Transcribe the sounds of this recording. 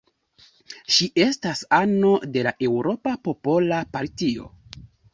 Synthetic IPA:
ʃiʔe̞stasano̞de̞laʔe̞wɾo̞papo̞po̞lapaɾtio̞̰

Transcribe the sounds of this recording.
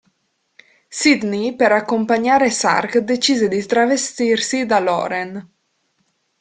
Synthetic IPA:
sid̪nipeɾakːompaɲaːɾesa̰rkd̪et͡ʃiːzed̪it̪ɾavest̪irsid̪alɔ̰ːɾen

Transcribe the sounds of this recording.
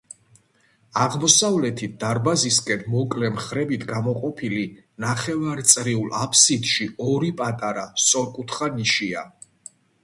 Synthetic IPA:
aʁmɔsavlɛt̪ʰit̪̚d̪̥aɾbaziskʼɛnmɔkʼlɛmχɾɛbit̪ʰɡamɔqʼɔpʰili | naχɛvaɾt̪sʼɾiulapʰsid̪ʃiɔɾipʼat̪ʼaɾassʼɔɾkʼut̪ʰχaniʃia

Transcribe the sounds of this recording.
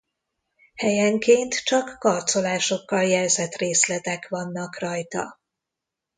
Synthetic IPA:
hɛjɛŋkeːnt̪t͡ʃɒkːɒrt̪so̞laːʃo̞kːɒljɛlzɛt̪reːslɛt̪ɛkʋɒnːɒkrɒjt̪ɒ̰

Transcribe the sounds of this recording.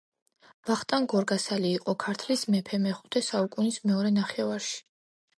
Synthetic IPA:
vaχt̪ʼanɡɔɾɡasaliːqʼɔkʰaɾt̪ʰlismɛpʰɛmɛχut̪ʰɛsaukʼunismɛɔɾɛnaχɛvaɾʃi̥

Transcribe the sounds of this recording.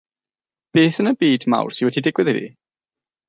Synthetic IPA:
b̥eːθənəbiːdma̰wr̥sɪwɛdidɪɡwɪðɪɾḭ

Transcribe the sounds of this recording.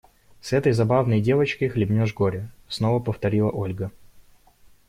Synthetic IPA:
sɛt̪əjzɐbavnəjdʲe̞vət͡ɕkəjxlʲɪbʲnʲoʐɡoɾʲɪsnovəpəft̪ɐɾʲilˠə̰ʔo̞lʲɡə

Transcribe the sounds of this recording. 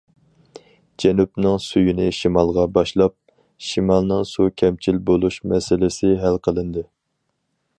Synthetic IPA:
d͡ʒɛnupnɨŋsujinɪʃimɑlˠʁɑbɑʃlˠɑp̚ | ʃimɑlˠnɨŋsukʲʰɛmt͡ʃʰilbolˠuʃmɛsɪlɪsɪɦælqʰəlˠɨnd̪ɨ

